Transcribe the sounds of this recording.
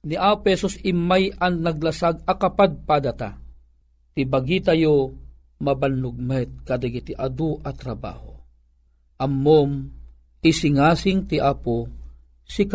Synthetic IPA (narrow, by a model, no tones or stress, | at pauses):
niʔaːpɛsosɪmːajɐŋnɐɡ̚lasaɡ̚ɐkapad̪̚pad̪at̪a | t̪ibaɡit̪ajo | mɐbanːʊɡ̚mɛt̪̚kad̪aɡit̪iʔad̪uʔɐt̪ɾɐba̰ːho | ʔɐmːom | isɪŋasɪŋt̪iʔapo | sika